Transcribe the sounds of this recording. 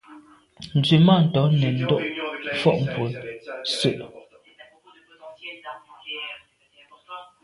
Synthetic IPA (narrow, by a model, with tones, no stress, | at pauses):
n̩˨d͡zʉ˨ma˦˨n̩˨tɔ˨˦nɛ˨n̩˦dɔ˦˨ʔfɔ˦ʔm̩˨pwo˨˦sʉ˦˨ʔ